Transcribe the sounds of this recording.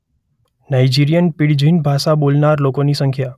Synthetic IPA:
naid͡ʒiɾijənpɪɽd͡ʒʱinbʱaʃabolnaɾlokonisə̃ŋkʰja

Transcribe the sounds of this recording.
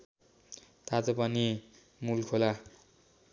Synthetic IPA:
t̪at̪opani | mulkʰola

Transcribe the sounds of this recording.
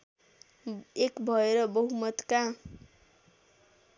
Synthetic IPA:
ekbʱʌeɾʌbʌɦumʌt̪ka

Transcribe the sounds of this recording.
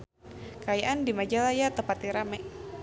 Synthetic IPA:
kajaʔandimad͡ʒalajat̪əpat̪iɾamɛ

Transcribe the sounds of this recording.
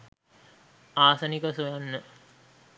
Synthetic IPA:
aːsɐnikəsujanːə

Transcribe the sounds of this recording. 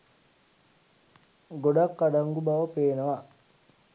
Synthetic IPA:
ɡoɖakːaɖɐŋɡubɐʋɐpeːnɐʋa

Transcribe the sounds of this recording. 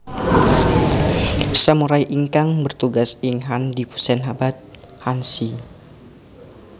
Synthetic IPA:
samuɾajʔiŋkaŋbərt̪uɡasiŋɦandipu̥sɛnɦabat̪̚ | hansi

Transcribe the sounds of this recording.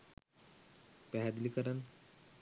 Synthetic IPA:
pɛɦad̪likəɾən

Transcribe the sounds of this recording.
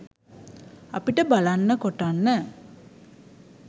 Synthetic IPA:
a̰piʈəbalanːəkoʈanːə

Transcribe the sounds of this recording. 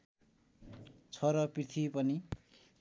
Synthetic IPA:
t͡sʰʌɾʌprit̪ʰipʌni

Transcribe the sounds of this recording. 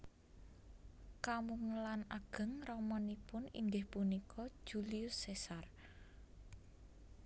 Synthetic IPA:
kamuŋəlanaɡ̥ə̤ŋrɔmɔnipʊnḭŋɡɪhpunikʰɔ̥ʒ̥uliʊsːesar

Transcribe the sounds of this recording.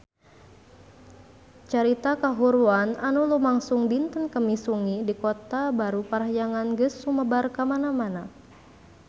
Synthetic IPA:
t͡ʃaɾit̪akaɦuɾuananulumaŋsuŋbint̪ənkəmisuŋidikot̪abaɾupaɾaɦjaŋanɡəsuməbarkamanamana

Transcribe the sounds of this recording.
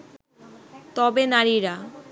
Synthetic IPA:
t̪ɔbenaɾiɾa

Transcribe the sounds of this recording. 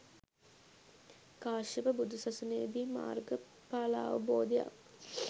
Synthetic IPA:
kaːʃibəbud̪usɐsuneːd̪iːma̰ːrɡə | paːla̰ːʋəboːd̪ija̰

